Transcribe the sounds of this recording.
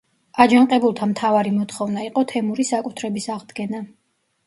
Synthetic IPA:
ad͡ʒaɴqʼɛbulˠt̪ʰamt̪ʰavaɾimɔt̪ʰχɔvnaiqʼɔt̪ʰɛmuɾisakʼut̪ʰɾɛbisaʁd̪ɡɛna

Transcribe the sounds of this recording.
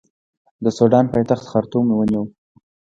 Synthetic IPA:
d̪əsuɖɑnpajt̪axt̪xaɾt̪umewəniwə

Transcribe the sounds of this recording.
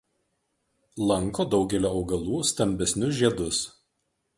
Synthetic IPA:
lˠɐŋˑkoːd̪ɒʊɡʲɛlʲoːɒʊɡɐlˠuːst̪ɐmʲbʲɛsʲnʲʊʒʲiɛd̪ʊs

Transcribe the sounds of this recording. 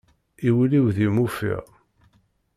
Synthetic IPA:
iwliwðimufḭʁ

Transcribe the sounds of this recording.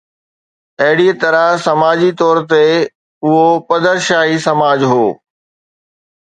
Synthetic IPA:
ɐɦɪɽit̪ɐɾəsɐmaːd͡ʑit̪ɔːɾt̪e | ʊɦopɐd̪əɾʃaːɦisɐmaːd͡ʑɦoː

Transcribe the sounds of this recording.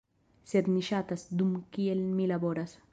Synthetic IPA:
sed̪niʃat̪asd̪umkielmilaboɾas

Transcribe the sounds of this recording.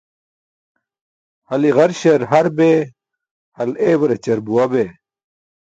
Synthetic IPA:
hɐliɣɐɾɕɐɾɦɐɾbe | hɐleːwɐɾet͡ɕɐɾbuɐbeː

